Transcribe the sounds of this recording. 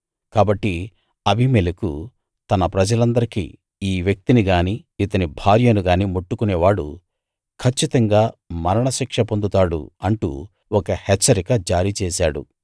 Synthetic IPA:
kaːbɐʈːi | ɐbʱimelikṵ | t̪ɐnɐpɾɐd͡ʒɐlɐnd̪ɐɾikḭː | iːʋjɐk̚t̪iniɡaːniː | it̪ɐnibʱaːɾjɐnuɡaːniːmoʈːukunɛːʋaːɽṵ | kʰɐt͡ʃːit̪ɐŋɡaːmɐɾɐɳɐʃikʂɐpond̪ut̪aːɽṵɐɳʈṵ | ɔkɐhɛt͡ʃːɐɾikɐd͡ʒaːɾiːt͡ʃɛːsaːɽṵ

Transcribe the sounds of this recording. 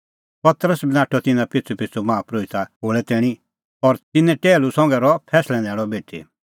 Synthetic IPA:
pɐt̪ɾəsbɪnaːʈʰɔt̪ɪnãpɪtt͡sʰupɪt͡sʰumãːpɾoːit̪aɦoːɭɛt̪ɛːɽ̃i | ɔɾt̪ɪnɛ̃ʈeːlusɔ̃ŋɡɛɾɔpʰɛːslɛ̃nɛːɭɔbeːʈʰḛ

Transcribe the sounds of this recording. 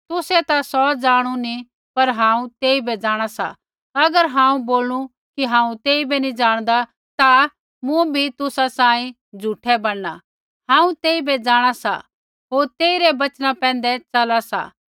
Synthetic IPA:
t̪ʊsɛt̪asɔd͡zaːɽ̃uni | pɐɾɦãːũt̪eːibɛd͡ʒaːɽ̃asa̰ | ɐɡəɾɦãːũboːlũ | kiɦãːũt̪eːibɛnĩd͡ʒaːɽ̃d̪a | t̪a | mũbʱit̪ʊsasãːĩ | d͡zʱuːʈʰɛbɐɽːa | ɦãːũt̪eːibɛd͡zaːɽ̃asa̰ | ɦoːɾt̪eːiɾɛbɐt͡ʃnãpɛ̃ːnd̪ɛt͡ʃɐlasa̰

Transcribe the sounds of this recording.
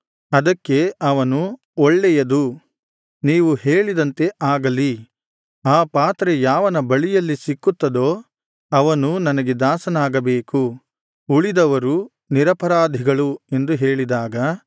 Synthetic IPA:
ɐd̪ɐkːe̞ɐʋɐnu | ɔɭːɛjɐd̪u | niːʋuheːɭid̪ɐnt̪e̞ʔaːɡɐli | aːpaːt̪ɾejaːʋɐnɐbɐɭijɐlːisikːut̪ːɐd̪o̞ː | ɐʋɐnunɐnɐɡe̞d̪aːsɐnaːɡɐbeːku | uɭid̪ɐʋɐɾu | niɾɐpɐɾaːd̪ʱiɡɐɭue̞nd̪uɦe̞ːɭid̪aːɡɐ

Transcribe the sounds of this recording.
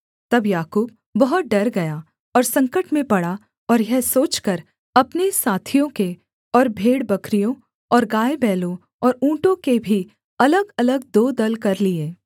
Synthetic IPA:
t̪ɐbjaːkuːb̚ː | ɐɦʊt̪̚ɖɐɾɡɐja | ɔːɾsɐ̃ŋkəʈmẽpɐɽa | ɔːɾjɛɦsoːt͡ʃkɐɾ | ɐpnesaːt̪ʰijõke | ɔːɾbʱeːɽbɐkɾijõ | ɔːɾɡaːebɛːlõ | ɔːɾũːʈõkebʱi | ɐləɡɐləɡ̚d̪oːd̪ɐlkɐɾlieː

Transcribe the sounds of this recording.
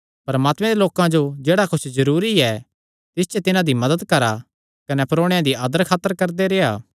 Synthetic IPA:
pɐɾɐmaːt̪mɛ̃d̪eloːkãd͡ʒod͡ʒeːɽakʊt͡ʃʰzɐɾuːɾiɛ | t̪ɪst͡ʃɛt̪ɪnãd̪imɐd̪əd̪kɐɾa | kɐnɛpɾoːɽ̃jãd̪iaːd̪əɾkʰaːt̪ːəɾkɐɾd̪eɾeːaː

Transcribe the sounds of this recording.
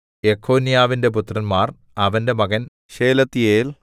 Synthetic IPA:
ekʰːoːnijaːʋinde̞p̬ut̪rɐnmaːr | ɐʋɐnde̞mɐɣɐn | ɕeːlɐt̪ːijeːl

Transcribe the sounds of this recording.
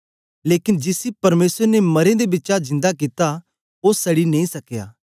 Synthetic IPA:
leːkɪnd͡ʒɪsipɐɾmeːsəɾnemɐɾẽd̪ebɪtːt͡ʃad͡ʒɪ̃nd̪ak̬it̪a | osɐɽinɐ̃ĩsɐkja̰ː

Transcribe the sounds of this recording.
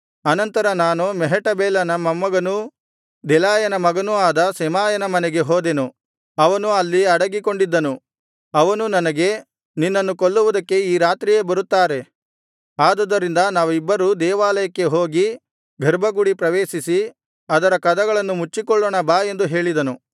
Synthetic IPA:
ɐnɐnt̪ɐɾɐnaːnumɛɦɛʈɐbɛːlɐnɐmɐmɐɡɐnu | d̪ɛlaːjɐnɐmɐɡɐnuaːd̪ɐsɛmaːjɐnɐmɐnɛɡe̞ɦoːd̪enu | ɐʋɐnuɐlːiɐɽɐɡiko̞ɳɖid̪ːɐnu | ɐʋɐnunɐnɐɡe̞ | ninːɐnːukoɭːuʋud̪ɐkːe̞iːɾaːt̪ɾije̞ːbɐɾut̪ːaːɾe̞ | aːd̪ɐd̪ːɐɾind̪ɐnaːʋuibːɐɾud̪ɛːʋaːlɐjɐkːe̞ɦo̞ːɡi | ɡʱɐɾbʱɐɡuɽipɾɐʋeːʃisi | ɐd̪ɐɾɐkɐd̪ɐɡɐɭɐnːumut͡ʃːikɔɭːoːɳɐbaːje̞nd̪uɦe̞ːɭid̪ɐnu

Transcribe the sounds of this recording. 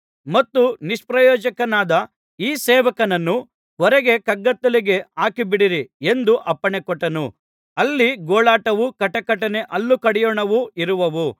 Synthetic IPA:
mɐt̪ːuniʂpɾɐjɔːd͡ʒɐkɐnaːd̪ɐ | iːsɛːʋɐkɐnɐnːu | ɔɾeɡe̞kɐɡːɐt̪ːɐliɡe̞aːkibiɽiɾie̞nd̪uʔɐpːɐɳekɔʈːɐnu | ɐlːiɡɔːɭaːʈɐʋukɐʈɐkɐʈɐne̞ʔɐlːukɐɽɛjɔːɳɐʋuiɾuʋɐʋu

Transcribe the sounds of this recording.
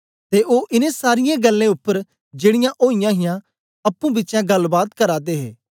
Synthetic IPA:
t̪eʔoːʔɪnẽsaːɾɪjãɡɐlːẽʊpːəɾ | d͡ʒeːɽɪjãʔoːɪjãɦɪjã | ɐpːũbɪtːt͡ʃjãɡɐlbaːt̪kɐɾaːd̪eːɦḛː

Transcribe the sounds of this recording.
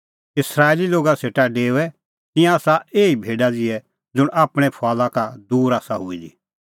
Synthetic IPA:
ɪsɾaːɪliloːɡaseːʈaɖeːʊɛ | t̪ɪ̃jãaːsaeːibʱeːɖad͡zɪɛ | d͡zʊɽaːpɽ̃ɛpʰaːlakad̪uːɾaːsaɦʊid͡ʒi

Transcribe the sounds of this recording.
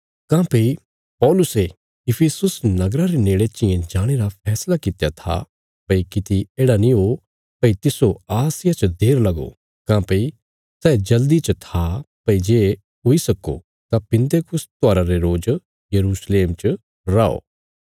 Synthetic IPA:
kãːpɐi | pɔːlʊse | ɪpʰesʊsnɐɡɾaɾeneːɽet͡ʃɪjẽd͡ʒaːɽ̃eɾapʰɛːslakɪt̪jat̪ʰa̰ | pɐikɪt̪ieːɽanĩɦo | pɐit̪ɪsoaːsɪjat͡ʃd̪eːɾlɐɡo̰ | kãːpɐi | sɛːd͡ʒɐld̪it͡ʃt̪ʰapɐid͡ʒeː | ɦoisɐkːo̰ | t̪apɪ̃nt̪ekʊst̪ʊaːɾaɾeɾoːd͡ʒ | jɐɾuːsleːmt͡ʃ | ɾaːo̰ː

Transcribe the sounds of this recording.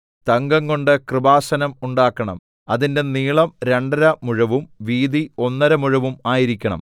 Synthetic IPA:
t̪ɐŋɡɐŋɡo̞ɳɖɨkrɨbaːsɐnɐmuɳɖaːkːɐɳɐ̰m | ɐðinde̞niːɭɐmɾe̞ɳɖɐɾɐmuɻɐʋumʋiːðio̞nːɐɾɐmuɻɐʋumaːjiɾikʲːɐɳɐ̰m

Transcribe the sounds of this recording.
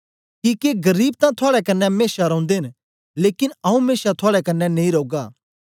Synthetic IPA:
kikeɡɐɾiːb̚t̪ãt̪ʰoaːɽɛkɐnːɛmeːʃaɾɐ̃ʊ̃nd̪eɦn | leːkɪnɐũmeːʃat̪ʰoʊaːɽɛkɐnːɛnẽĩɾoːɡaː

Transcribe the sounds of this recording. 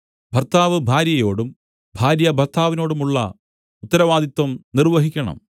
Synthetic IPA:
b̥ʱɐrt̪aːʋɨbʱaːɾjɐjo̞ːɽum | bʱaːɾjɐbʱɐrt̪ʰaːʋino̞ːɽumuɭːɐ̰ | ut̪ːɐɾɐʋaːd̪it̪ːwɐmnirʋɐɦikʲːɐɳɐ̰m

